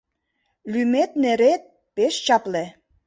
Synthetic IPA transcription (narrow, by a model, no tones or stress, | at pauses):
lymet̪neɾet̪̚ | peʃt͡ɕɑple